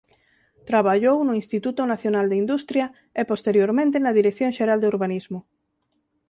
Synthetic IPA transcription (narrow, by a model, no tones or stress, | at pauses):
t̪ɾaβaʎownʊinst̪it̪ut̪onaθjonald̪eind̪ust̪ɾjɐ | epost̪eɾjoɾmẽnt̪enɐðiɾekθjõŋʃeɾald̪euɾβanizmʊ